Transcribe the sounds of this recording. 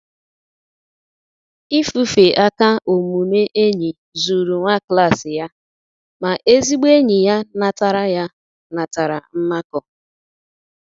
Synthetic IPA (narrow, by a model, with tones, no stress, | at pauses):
i˦fu˨fe˨ʔa˦ka˦o˨mu˨ne˦ʔe˦ɲi˨ | zu˨ɾu˨ŋʷa˦kla˦˨sɪ˨ja˦ | ma˨ʔe˦zi˦ɡ͡be˦ɲi˨ja˦na˨ta˨ɾa˦ja˦ | na˨ta˨ɾa̰˨m̩˦ma˦kɔ˨